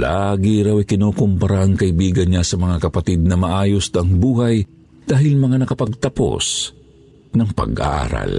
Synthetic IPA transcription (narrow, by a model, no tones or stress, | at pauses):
laɡɪɾawɪkɪnoːkʊmpɐɾaʔɐŋkɐʔɪbiːɡɐnɲasɐmɐŋakɐpɐt̪ɪd̪̚nɐmɐʔaːjost̪ɐŋbuːɦɐj | d̪̥aːɦɪlmɐŋanɐkɐpɐɡ̚t̪ɐpo̰s | nɐŋpɐ̰ɡʔa̰ɾɐ̰l